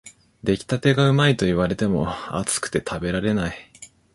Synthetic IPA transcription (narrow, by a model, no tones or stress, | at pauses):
d̪e̞kʲi̥t̪at̪e̞ɡaɯ̟mait̪o̞iβ̞aɾe̞t̪e̞mo̞̰a̰t͡sɨ̥kɯ̟̥t̪e̞t̪ʰabe̞ɾaɾe̞nai